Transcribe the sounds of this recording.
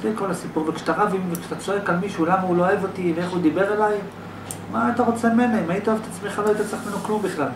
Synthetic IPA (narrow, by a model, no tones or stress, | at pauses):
filko̞lasipuʁbekʃe̥t̪aʁavimvekʃe̥t̪at͡soekalmiʃulamaulooevo̞t̪iveeχud̪ibe̞ʁelaj | maːt̪aʁo̞t͡semime̞naimait̪aevet̪at͡smeχaloait̪at͡seeχmenoklumbiχlal